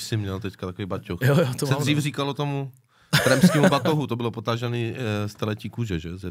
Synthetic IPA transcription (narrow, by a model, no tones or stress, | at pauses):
sɪmɲɛlt̪ɛckat̪akovijbacoxjojot̪sɛdriːfriːkalot̪omu | ɾɛmskiːmubat̪oɦut̪obɪlopot̪aʒɛniːst̪ɛlɛciːkuʒɛʒɛzɛ